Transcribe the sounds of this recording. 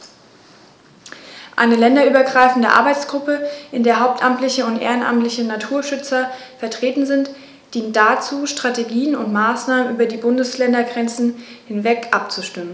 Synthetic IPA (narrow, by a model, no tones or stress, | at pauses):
ʔa̰ɪnəlɛndɐʔyːbɐɡʁaɪfn̩də̰ʔa̰ɐbaɪt͡sɡ̥ʁʊpəʔɪndeːɐɦaʊp̚tʔamtlɪçəʊntʔḛːʁənʔa̰mtlɪçənatʰuːɐʃʏt͡sɐfɛɐtʁ̥eːtn̩zɪnt | d̥iːnt̚d̥at͡suːʃtʁ̥ateɡiːənʊntmaːsnaːmənʔyːbɐdiːbʊndəslɛndɐɡʁɛnt͡sn̩hɪnvɛkʔap̚t͡suʃtɪmən